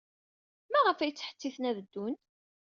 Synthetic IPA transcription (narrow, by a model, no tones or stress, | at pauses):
mæʁəfæjət͡sːə̥ħə̥t͡s̪ːiθnævəd̪ːun